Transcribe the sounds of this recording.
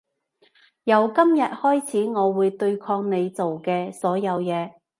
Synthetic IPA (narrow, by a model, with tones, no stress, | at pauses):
jɐ˨˧wkɐ˥mjɐ˨t̚hɔː˥jt͡sʰiː˨˥ŋɔː˨˧wuː˨˧jt̪ɵ˧ɥkʰɔː˧ŋne˨˧jt͡so˨wkɛː˧sɔː˨˥jɐ˨˧wjɛː˨˧